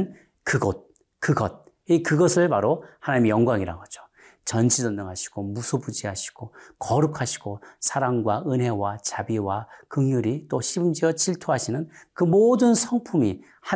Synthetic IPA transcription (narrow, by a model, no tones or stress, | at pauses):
n | kɯɡʌt̚ | kɯɡʌt̚ | ikɯɡʌsʰɯɭpaɾohanaɲimejʌŋɡwaŋiɾa̰ɡʌd͡ʑo̥ | t͡ɕʌnt͡ɕʰid͡ʑʌnːʌŋɦaɕʰi̥ɡ̥omusʰobud͡ʑiɦaɕʰi̥ɡ̥okʌɾukʰaɕʰi̥ɡ̥osʰaɾaŋɡwaɯnɦe̞wat͡ɕabiwakɯŋjuɾit͈oɕʰibɯmd͡ʑiʌt͡ɕiɭtʰoɦaɕʰinɯnkɯmodɯnsʰʌŋpʰumi | ha